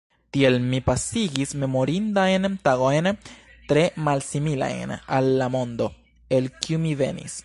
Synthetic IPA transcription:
tie̞lmipasiɡisme̞mo̞ɾindajntaɡo̞jntɾe̞malsimila̰jna̰lːamo̞nd̪o̞ | e̞lkiumive̞̰nḭs

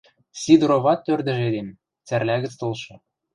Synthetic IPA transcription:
sʲid̪ɾoβɑt̪ːørd̪ɘ̆ʒed̪en | t͡særlæɣə̆t͡st̪olʃɤ̆

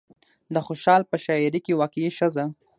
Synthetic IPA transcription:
d̪əxoʃɑlpəʃɑjɪɾikewakiʃəza

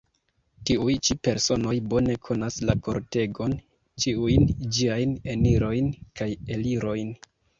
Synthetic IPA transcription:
tiujt͡ʃipe̞ɾso̞no̞jbo̞ne̞kʰo̞naslako̞̰ɾte̞ɡo̞n | t͡ʃiujnd͡ʒiajne̞niɾo̞jnkaje̞liɾo̞jn

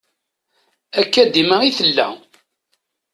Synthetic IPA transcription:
ækːæd̪iməiθəlːæ

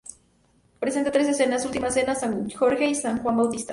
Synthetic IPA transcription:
pɾesent̪at̪ɾes̬esenasult̪imaesenasaŋuxoɾxeisaŋxwambawt̪ist̪a̰

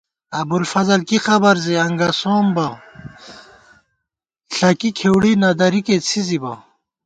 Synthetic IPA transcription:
ɐbulfɐzɐlkixɐbɐɾziɐŋɡɐsoːmbɐ | ɬɐkikʰewɽinɐd̪ɐɾiket͡sʰizibɐ̰

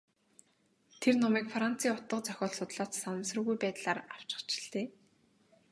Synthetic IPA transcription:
t̪ʰernɔmiːkfran̥t͡sʰiːʊt̪ə̆qt͡sœxʲɔːɮsʊt̪ɮaːt͡ssanə̆msrə̆ɣujpæːt̪ɮaːɾaw̥t͡ɕɪ̆t͡ɕɪ̥̆ɮt̪eː

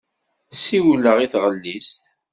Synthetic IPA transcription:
siwlːəʁiθʁəlːist̪

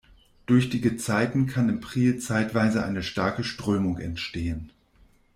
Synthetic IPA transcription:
d̥ʊɐçd̥iɡət͡saɪtn̩kʰanɪmpʁ̥iːlt͡saɪtv̥aɪzəʔa̰ɪnəʃtaɐkəʃtʁ̥øːmʊŋɛ̰ntʃteːən

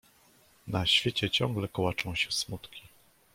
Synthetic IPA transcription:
naɕfʲjet͡ɕɛt͡ɕɔ̃ŋɡlɛkɔwat͡ʂɔ̃w̃ɕɛsmut̪kʲi̥

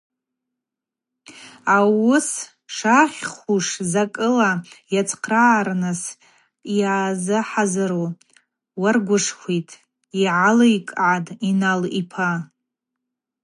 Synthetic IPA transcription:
awʊs | ʂaχʲχʷuʂzakʼɨlajat͡sʰʼqʰraːrnɨs | aːzɨħazaɾo | warɡʷʊʂχʷitʼ | iʕalaikʼʕadʼinalipʰa

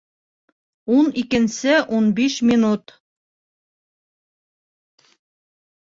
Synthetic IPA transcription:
unikɘ̆nsɘʔunbiʃmʲinut̪

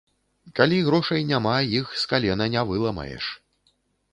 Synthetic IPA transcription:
kalʲiɣɾɔʂɐjnʲamajixskalʲɛnɐnʲavɨlˠɐmɐ̰jɛ̰ʂ

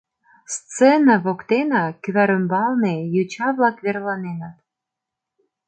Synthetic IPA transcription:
st͡senɑβokt̪enɑkyβæɾə̆mbɑlˠnejut͡ɕɑβlɑkβerlˠɑnenɑt̪

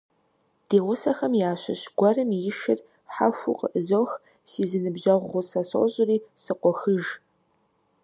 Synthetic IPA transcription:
d̥eːʁʷʊsɐxɐmjaːɕɐ̰ɕɡʷɐrɨmjɪʃɪr | ħa̰ʃʷuqʼə̰ʔəzowx | siːzɨnɨbʒɐʁʷːʊsasɕʼɪriːsɨqʷɔxɨʒ

